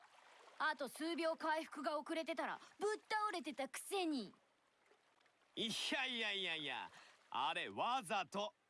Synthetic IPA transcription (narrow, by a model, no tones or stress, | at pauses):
at̪o̞sɨːbʲjo̞ːkaiɸɯ̟̥kɯ̟ɡao̞kɯ̟ɾe̞t̪e̞t̪aɾa̰bɯ̟t̪ːaoɾe̞t̪e̞t̪akɯ̟̥se̞ɲ̟i | içaiaiaia̰a̰ɾe̞βazat̪o